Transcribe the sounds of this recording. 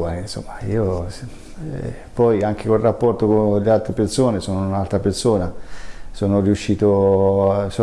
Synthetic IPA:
anso̰mːaiːo | pɔjaŋk̟ekolrapːɔrt̪okonlealt̪ɾepersoːnesoːnounalt̪ɾapersoːnasoːnoriuʃːiːt̪o | so

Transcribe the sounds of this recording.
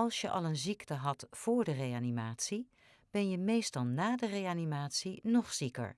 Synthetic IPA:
ɑlˠsjəʔɑ̰lˠənziktəɦɑtfʊːɹdərejaːnimaːtsi | b̥ɛnjəmejstɑlˠnaːdərejanimaːtsinɔχsikə̰ɹ

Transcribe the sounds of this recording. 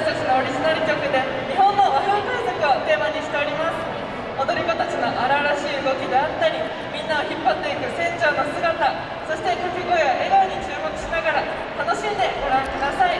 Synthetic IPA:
t̪at͡ɕino̞ːɾʲiʑinaɾɯ̟kʲo̞kɯ̟d̪e̞ | ɲiɦõ̞nːo̞maɦak̪aisakɯo̞t̪e̞ːmaɲ̟iɕi̥t̪e̞o̞ɾʲimasɨ̥ | o̞d̪o̞ɾʲiko̞t̪ot͡ɕino̞ʔaɾaɾaɕiːɯɡo̞kʲid̪eat̪ːaɾʲi | mʲĩnːaoçipːat̪ːo̞it̪esẽ̞ɲt͡ɕo̞ːno̞sɨɡat̪a | so̞ɕi̥t̪e̞kokɯ̟ɡo̞joʔeɡaɯɲ̟it͡ɕɨːmo̞kɯ̟̥ɕinaɡaɾa | t̪ano̞ɕimd̪e̞ɡo̞ɾãŋkɯd̪asai

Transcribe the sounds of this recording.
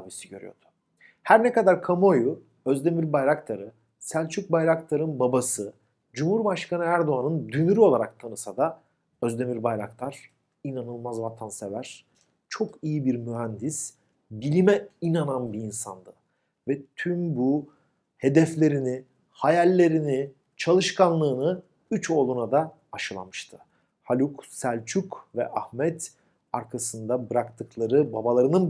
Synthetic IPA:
abisiɟø̞̰ɾy̰jo̞̰d̪̥ʊ̥ | hæɾnɛkad̪aɾkʰamoju | øzd̪e̞miɾbajɾakt̪ʰaɾɯ | sælʲt͡ʃʰyc̚bajɾakt̪ʰaɾɯnbabasɯ | d͡ʒumhuɾbaʃkanɯæɾd̪o̞anɯnd̪ymyɾyo̞lˠaɾak̚t̪ʰanɯsad̪a | ø̞zd̪e̞miɾbajɾa̰kt̪ˠaɾ̥ | inanɯlˠmazvat̪ʰansevæɾ̥ | t͡ʃʰo̞kʰijibiɾmyɦænd̪is | bilʲimɛinananbiinsand̪ɯ | vɛt̪ʰymbu | he̞d̪ɛflʲe̞ɾini | hajalʲːe̞ɾini | t͡ʃʰalˠɯʃkʰanlˠɯːnɯ | yt͡ʃo̞ːlˠunad̪aː | ʃɯlˠa̰mɯʃt̪ʰɯ̥ | halʲuksælʲt͡ʃʰykvɛ̰ʔahmɛt̪ | aɾkʰasɯnd̪abɯɾakt̪ʰɯklˠaɾɯbabalˠaɾɯnɯn

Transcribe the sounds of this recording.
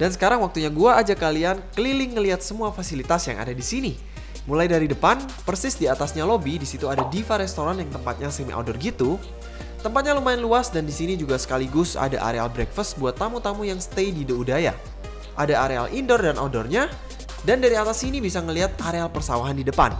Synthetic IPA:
d̥ansə̥kaɾaŋwak̚t̪uɲaɡuaʔːd͡ʒakaliankəlilɪŋːəliɦat̪̚səmuafasilit̪asja̰ŋa̰dadisini | mulajdaɾidəpan | pərsɪsdiat̪asɲalobidisit̪uadadifaɾɛst̪oɾanjaŋt̪əmpat̪̚ɲasemḭʔo̰dɔrɡit̪u | t̪əmpat̪̚ɲalumaɪnluasdandisinid͡ʒuɡasə̥kaliɡʊsa̰da̰ʔa̰ɾealbɾɛkfəst̪̚buat̪ːamut̪amujaŋsə̥t̪ejdidəudaja̰ | ʔadaaɾea̰lʔindɔrdanʔo̰dɔrɲa | dandaɾiat̪asinibisaŋəliɦat̪̚aɾealpərsawaɦandidəpa̰n

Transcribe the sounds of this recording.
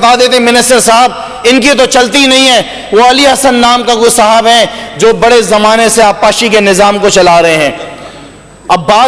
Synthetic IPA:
ɐt̪aːd̪eːt̪eɦɛ̃mɪnɪsʈəɾsaɦəb̚ | ɪnk̬it̪̬ot͡ʃɐlt̪inɐɦĩɦɛ̃ | ʋoːɐliɐɦsənːaːmkakosɐɦəbɦɛ̃d͡ʒoːbɐɽezɐmaːneseaːpːaːʃikenɪzaːmkot͡ʃɐlaːɾɐɦeɦɛ̃ː | ɐbːaː

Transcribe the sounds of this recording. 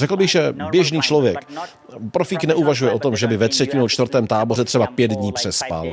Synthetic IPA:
rɛkl̩bɪɣʒɛbjɛʒniːt͡ʃlo̞vjɛk | pɾofiːknɛʔuvaʒujɛʔo̞t̪o̞mʒɛbɪvɛt̪r̝̥ɛcɪnut͡ʃt̪vrɾt̪ɛːmt̪aːbo̞rɛt̪r̥ɛbapjɛd̪dɲiːpr̥ɛspa̰l

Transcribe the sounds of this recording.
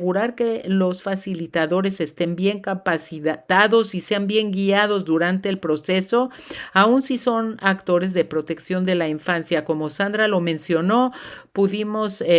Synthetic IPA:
ɣuɾaɾke̞lo̞sfasilit̪aðo̞ɾe̞se̞st̪e̞mbje̞ŋkapasit̪aðo̞sise̞ambje̞ŋɡiaðo̞zðuɾant̪e̞ːlpɾo̞se̞so̞ | aunsiso̞nakt̪o̞ɾe̞zðe̞pɾo̞t̪e̞ksjo̞nd̪e̞laiɱfansjako̞mo̞sand̪ɾalo̞mẽ̞nsjo̞no̞puðimo̞s

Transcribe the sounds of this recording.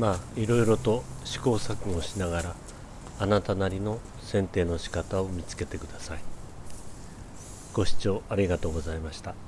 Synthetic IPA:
maːiɾo̞iɾo̞t̪o̞ɕi̥ko̞ːsakɯ̟oɕinaɡaɾaː | nat̪anaɾʲino̞ | sẽ̞nt̪e̞ːno̞ɕi̥kat̪ao̞mʲit͡sɨ̥ke̞t̪e̞kɯ̟d̪asai | ɡ̥o̞ɕi̥t͡ɕo̞ːaɾʲiɡat̪o̞ːɡo̞zaimaɕi̥t̪a

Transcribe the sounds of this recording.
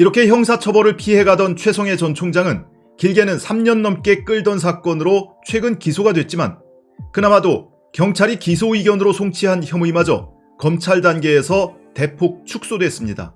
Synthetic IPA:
iɾʌkʰe̞çjʌŋsʰat͡ɕʰʌbʌɾɯɭpʰiɦe̞ɡadʌnt͡ɕʰwe̞sʰʌŋe̞t͡ɕʌnt͡ɕʰoŋd͡ʑaŋɯn | kiɭɡe̞nɯnsʰamɲʌnːʌmk͈e̞k͈ɯɭdʌns̬ʰak͈ʌnɯɾot͡ɕʰwe̞ɡɯnkisʰoɡadwe̞t̚t͡ɕ͈iman | kɯnamado | kjʌŋt͡ɕʰaɾikisʰoiɡjʌnɯɾosʰoŋt͡ɕʰiɦançjʌmuimad͡ʑʌ̰ | kʌmt͡ɕʰaɭdanɡe̞ːsʰʌ | te̞pʰok̚t͡ɕʰuk̚s͈odwe̞s͈ɯmɲida̰

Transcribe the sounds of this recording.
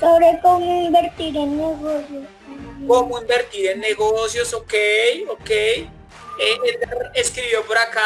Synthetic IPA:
soβɾekomoimbeɾt̪iɾenːeɣosjos | komoimbeɾt̪iɾenːeɣosjosokejokej | eet̪eɾeskɾiβjopoɾaka

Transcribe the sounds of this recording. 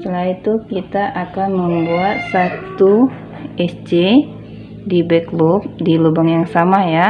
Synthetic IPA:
t̪əlait̪ukit̪aʔakanməmbuat̪̚sat̪u | ɛsd͡ʒe | dibɛklup̚dilubaŋjaŋsamaja

